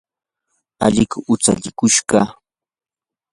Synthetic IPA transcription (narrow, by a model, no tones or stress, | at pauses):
aʎɪkʊʊt͡sa̰ʎɪkʊʃɢɑ